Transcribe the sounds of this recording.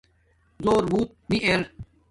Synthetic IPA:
zoːɾbuːt̪̚miʔeɾ

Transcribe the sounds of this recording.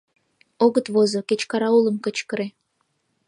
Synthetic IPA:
oɣət̪βozoket͡ɕkɑɾɑulə̆mkət͡ɕkəɾe

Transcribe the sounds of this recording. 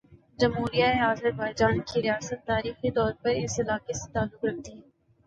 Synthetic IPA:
d͡ʒɐmɦuːɾijaeaːzəɾbaːɪd͡ʒaːnkiɾijaːsət̪ːaːɾiːxit̪ɔːɾpɐɾɪsɪlaːkeset̪aːlːʊkɾɐk̚t̪iɦɛː

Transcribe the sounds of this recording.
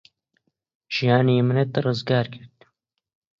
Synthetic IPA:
ʒ̥ijaːnimɨnet̪rɨzɡaːɾkʰɪɾt̪̚

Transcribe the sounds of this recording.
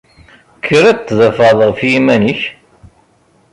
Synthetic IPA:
kʰːəɾæt̪ːðəfæðˤʁfjimæniç

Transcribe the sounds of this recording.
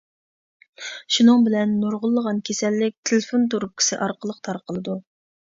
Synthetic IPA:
ʃunɨŋbɪlɛnːoɾʁʊlˠːəʁɑnkʲʰesɛlːɪk̚ʲt̪ʰɪlfont̪oɾup̚kʲʰi̥sɪʔɑɾqəlˠəq̚t̪ʰɑɾqəlˠɨd̪u

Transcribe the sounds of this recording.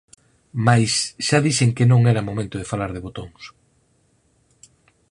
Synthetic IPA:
majsʃaðiseŋkɪnõŋɛɾɐmomẽnt̪ʊð̞efalaɾðɪβot̪oŋs

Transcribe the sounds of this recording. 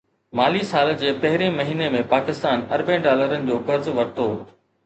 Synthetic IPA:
maːlisaːld͡ʑeːpɐɦɪɾemɐɦiːnemẽpaːkɪst̪aːnɐɾbẽːɖaːləɾənɪ̆d͡ʑoːkɐɾzʋɐɾt̪oː

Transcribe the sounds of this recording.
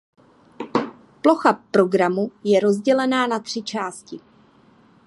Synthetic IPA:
plo̞xapɾo̞ɡɾamujɛɾo̞zɟɛlɛnaːnat̪r̝̥ɪt͡ʃaːscɪ

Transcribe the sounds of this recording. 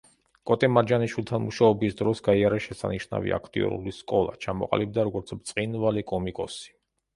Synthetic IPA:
kʼɔt̪ʼɛmaɾd͡ʒaniʃwilˠt̪ʰanmuʃaɔbisd̪ɾɔsɡaiaɾaʃɛsa̰niʃna̰vḭʔa̰kʰt̪ʼḭɔ̰ɾṵliskʼɔlˠa̰t͡ʃʰamɔqʼa̰lib̚d̪aɾɔɡɔɾt̪sʰbt̪sʼqʼinvalikʼɔmikʼɔsi̥

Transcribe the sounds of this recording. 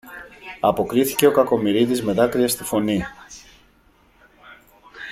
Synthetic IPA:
ɐpo̞kɾiθi̥ce̞o̞kɐko̞miɾiðizme̞ðɐkɾiɐst̪ifo̞ni

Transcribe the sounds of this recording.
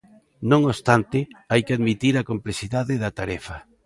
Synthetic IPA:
nõŋost̪ant̪ɪajkɪaðmit̪iɾakomplesiðaðɪðɐt̪aɾɛfɐ

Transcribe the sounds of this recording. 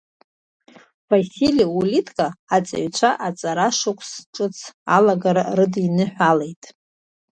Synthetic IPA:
vasiliulitʰʼkʼaːt͡sʼa̰ʕɥt͡ʃʷʰaʔat͡sʼaɾaʂʊkʷʰʼsʈ͡ʂʼɨt͡sʰalaɡaɾarɨdinɨħʷᶣalejtʼ

